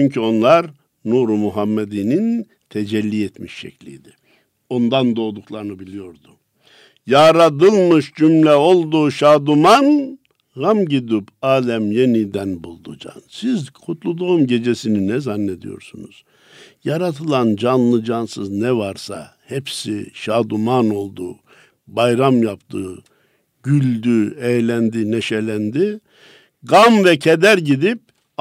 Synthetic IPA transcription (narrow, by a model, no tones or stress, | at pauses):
t͡ʃʰyɲcʰyo̞nlˠaɾ | nuɾumuɦamːed̪inin | t̪ʰed͡ʒɛlʲːiɛt̪miʃːɛ̰clʲḭjd̪i | o̞nd̪and̪o̞ːd̪uklˠaɾɯnɯbilʲijo̞ɾd̪u | jaːɾad̪ɯlˠmɯʃd͡ʒymlʲɛo̞lˠd̪uːʃaːd̪uman | ɣamɟid̪ypaːlʲæmje̞nid̪ænbulˠd̪ud͡ʒa̰nsizkʰut̪ʰlˠud̪oumɟe̞d͡ʒesininɛzanːe̞d̪ḭjo̞̰ɾsunṵz̥ | jaɾat̪ʰɯlˠand͡ʒanlˠɯd͡ʒansɯznɛvaɾsa̰hepsḭʃaːd̪umano̞lˠd̪u | bajɾamjapt̪ʰɯ̰ | ɟ̥ylʲd̪yejlʲænd̪ineʃelʲænd̪i | ɡamvɛcʰed̪æɾɟid̪ip̚